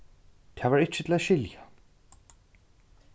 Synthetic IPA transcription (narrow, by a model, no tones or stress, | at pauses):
t̪ʰavaɾɪt͡ɕːɪt̪ʰɪlaðʃɕɪlja